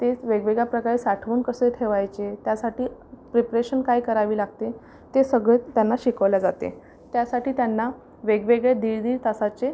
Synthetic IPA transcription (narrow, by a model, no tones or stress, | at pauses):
t̪eʋeɡʋeɡɭjapɾəkaɭesaʈʰʋuːnkəset̪ʰeʋajt͡set̪jasaʈiːpɾepɾeɕənkajkəɾaʋiːlaɡ̚t̪e | t̪esəɡɭet̪janːaɕikəʋlad͡zat̪ḛ | t̪jasaʈiːt̪janːa | ʋeɡʋeɡɭed̪iːɭd̪iːɭt̪asat͡se